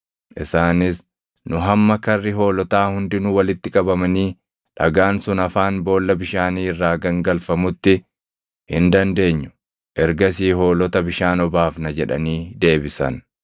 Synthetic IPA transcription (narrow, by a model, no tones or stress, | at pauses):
ʔɪsaːnɪs | nʊɦɐmːɐkɐrːɪɦo̞ːlɔt̪aːhʊnd̪ɪnʊwɐlɪt̪ːɪkʼɐbɐmɐniː | ᶑɐɡaːnsʊnɐfaːnbo̞ːlːɐbɪʃaːniːɪrːaːɡɐŋɡɐlfɐmʊt̪ːɪ | hɪnd̪ɐnd̪e̞ːɲːʊ̥ | ʔɛɾɡɐsiːɦo̞ːlɔt̪ɐbɪʃaːnɔbaːfnɐd͡ʒɛᶑɐ̰niːd̪e̞ːbɪsɐ̰n